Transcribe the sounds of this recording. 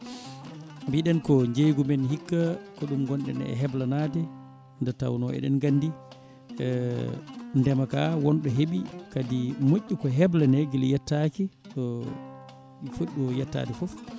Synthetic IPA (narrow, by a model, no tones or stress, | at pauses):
mbiɗɛnkɔɲd͡ʒejɡumɛnhikːakɔɗumɡɔnɗɛ̰nɛ̰ɦɛblanatɛ | ndɛta̰wnɔɛ̰ɗɛ̰nɡandi | ndɛmaka̰wɔnɗɔɦeɓikadimoʔʲːukɔɦɛblanɛɡiljɛtːakiɗɔ | fuɗːɔjɛtːa̰ːtɛfɔf